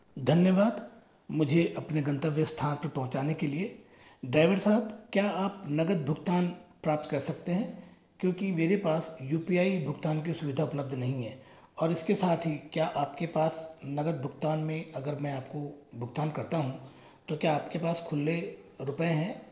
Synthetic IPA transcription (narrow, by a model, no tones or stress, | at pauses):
d̪ʱɐnjəʋaːd̪ | mʊd͡ʒʱeʔɐpneɡɐ̃nt̪əʋjəst̪ʰaːnpɐɾpɐɦʊ̃t͡ʃaːnekelie | ɖɾaːɪʋəɽsaːɦəbkjaːaːpnɐɡəd̪̚bʱʊɡt̪aːnpɾaːp̚t̪kɐɾsɐk̚t̪eɦɛ̃ː | kjõːkimeːɾepaːsjuːpiaːibʱʊɡt̪aːnk̬isʊʋɪd̪ʱaʊpləb̚d̪ʱnɐɦĩɦɛ̃ː | ɔːɾɪskesaːt̪ʰɦikjaːʔaːpkepaːsnɐɡəd̪̚bʱʊɡt̪aːnmẽɐɡəɾmɛ̃aːp̚kobʱʊɡt̪aːnkɐɾt̪aɦũ | t̪okjaːpkepaːskʰʊlːe | ɾʊpẽɦɛ̃ː